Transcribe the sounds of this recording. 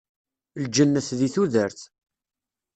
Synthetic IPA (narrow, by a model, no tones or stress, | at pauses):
ld͡ʒənːəθðiθuðəɾθ